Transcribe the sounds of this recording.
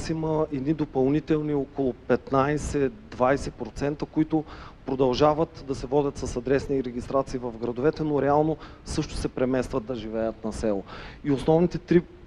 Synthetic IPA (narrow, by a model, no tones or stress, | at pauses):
siməɛd̪nid̪opɐlˠnit̪ɛlˠniɔkolˠʊpɛt̪najsɛd̪vajsɛpɾot̪sɛnt̪əkoit̪ʊpɾod̪ɐlˠʒavət̪d̪ɐsɛvɔdʲət̪sɐsɐd̪ɾɛsniɾɛɡʲist̪ɾat̪siːvɐfɡɾɐd̪ovɛt̪ɛnoɾɛalˠno | sɤʃt̪ʊ̥sɛpɾɛmɛst̪vɐt̪̚d̪ɐʒivɛjət̪nɐsɛlˠoiosnɔvnit̪ɛt̪ɾi